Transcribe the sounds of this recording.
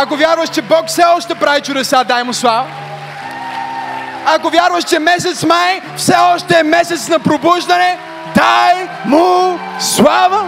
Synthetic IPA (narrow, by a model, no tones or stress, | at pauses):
ɐkovʲjaɾvəʃt͡ʃɛbɔkfsɛɔʃt̪ɛpɾavit͡ʃʊd̪ɛsad̪ajmʊslˠavɐ | akovʲjaɾvəʃt͡ʃɛmɛs̬ɛt̪smaj | fsɛɔʃt̪ɛːmɛsɛt̪snɐpɾobuʒd̪ɐnɛ | d̪aj | mʊslˠavə